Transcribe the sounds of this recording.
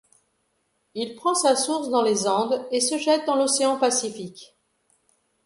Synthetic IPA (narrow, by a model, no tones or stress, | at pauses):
ilpχɑ̃sasuʁsd̪ɑ̃lezɑ̃d̪esəʒɛt̪̚d̪ɑ̃lɔseɑ̃pasifik